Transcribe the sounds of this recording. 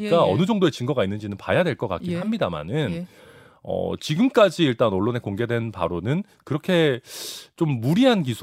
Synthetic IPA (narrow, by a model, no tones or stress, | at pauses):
k͈aʌ̰nɯd͡ʑʌŋdoe̞t͡ɕɯŋɡʌɡainːɯnd͡ʑinɯnpajadwe̞ɭk͈ʌk͈a̰kkiɦamɲidama̰nɯn | ʌ̰t͡ɕiɡɯmk͈ad͡ʑiːɭt͈anoɭːone̞koŋɡe̞dwe̞npa̰ɾonɯn | kɯɾʌkʰe̞ | t͡ɕomːuɾiɦank̬isʰ